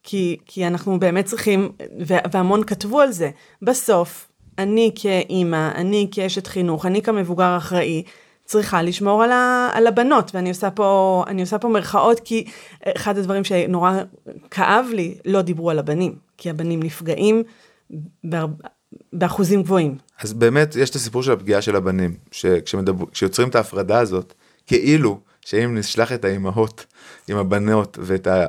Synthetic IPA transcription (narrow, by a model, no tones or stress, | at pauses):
kʰikʰianaχnube̞ːmet̚t͡sʁiχimveveamo̞nkatvualze̞ | baso̞f | anikʰeʔimaʔa̰nikeeʃetχinuχanikame̞vuɡaʁaχʁaʔi | t͡sʁiχaliʃmo̞ʁalaa̰labano̞tveaniosapo̞a̰nio̞sapo̞meʁχaʔo̞tkieχad̪advaʁimʃeno̞ʁakʰaʔavlilo̞dibʁualabanimkʰiabanimnifɡaʔim | b | beaχuzimɡvo̞im | azbe̞ːmetjeʃt̪asipuʁʃelapɡiaʃe̞labanimʃekʃemedbkʃejo̞t͡sʁimetaːfʁadaːzo̞t | ke̞ʔilu | ʃeimniʃlaχetaimaɦot | imabano̞tveːta